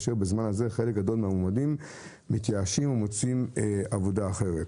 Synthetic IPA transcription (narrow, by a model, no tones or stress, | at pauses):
ʃeʁbezmanaze̞χe̞lek̚ɡad̪o̞lmehamomadimː | it̪jaaʃimumo̞t͡simavo̞daːχe̞ʁet